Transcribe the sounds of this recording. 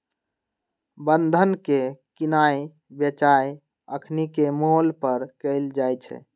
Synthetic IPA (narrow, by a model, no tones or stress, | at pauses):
bənd̪ʱənkekinaj | bjət͡ʃaj | əkʰnikemolpəɾkəɪld͡ʒajt͡ʃʰɛ̰